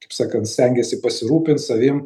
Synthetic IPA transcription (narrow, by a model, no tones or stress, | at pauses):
kɐɪpsɑːkɐnt̪sʲt̪ʲɛŋʲɡʲɛsʲɪpɐsʲɪɾuːpʲɪnt̪sɐʋʲɪm